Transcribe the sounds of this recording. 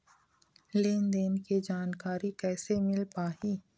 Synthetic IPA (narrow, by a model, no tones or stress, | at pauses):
leːnd̪eːnkid͡ʒaːnkaːɾikɛːsemɪlpaːɦiː